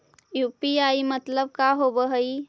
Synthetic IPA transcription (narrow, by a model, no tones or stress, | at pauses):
juːpiaimət̪ləbkaɦobəɦəi